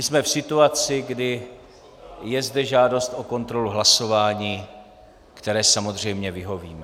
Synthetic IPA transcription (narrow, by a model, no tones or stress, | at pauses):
mɪsmɛfsɪt̪uat͡sɪɡdɪ | jɛzdɛʒaːdo̞st̪ʔo̞ko̞nt̪ɾo̞luɦlaso̞vaːɲiː | kt̪ɛɾɛːsamo̞zr̝ɛjmɲɛvɪɦo̞viːmɛ